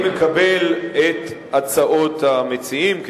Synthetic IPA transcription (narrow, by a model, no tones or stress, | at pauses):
mekabe̞let̪at͡saʔo̞t̪amet͡siimk